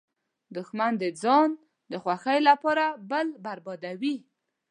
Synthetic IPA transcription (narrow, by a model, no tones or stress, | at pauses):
d̪ʊxmand̪əd͡zɑn | d̪əxwaxəjlapɑɾabəlbaɾbɑd̪awi